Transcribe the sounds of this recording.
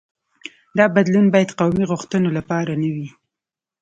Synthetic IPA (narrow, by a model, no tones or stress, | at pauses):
d̪ɑbad̪lunbɑjad̪qawmiɣʊxt̪ənolapɑɾanawi